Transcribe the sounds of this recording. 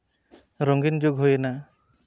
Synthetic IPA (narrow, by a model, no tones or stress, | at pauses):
ɾɔŋɡind͡ʒoɡɦojɛna